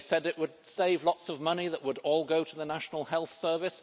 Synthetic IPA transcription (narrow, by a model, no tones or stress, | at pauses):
sɛɾɨʔwəd̥̚seɪvlɒtsʌvmʌniðəʔwəɾɔlˠɡoʊɾəðənæʃn̩l̩ˠhɛlˠθsɜ˞vɨs